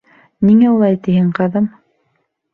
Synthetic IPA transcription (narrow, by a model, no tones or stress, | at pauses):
niŋæulˠɑjt̪ihɘɴqɑðɤm